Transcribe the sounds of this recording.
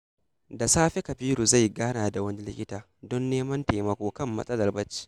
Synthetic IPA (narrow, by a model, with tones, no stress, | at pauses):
da˨saː˦ɸe˦kɐ˨ɸiː˦ɾu˨za˦˨jɡaː˦naː˨da˨wɐ˦ni˦lɪ˦kʲɪ˦taː˨ | dɔ˦nːeː˦mɐ˦nteː˨mɐ˦kʷoː˦kɐ˦˨mːɐ̰˦sʼɐ˦lɐ˨rbɐ˦t͡ʃːi̥˦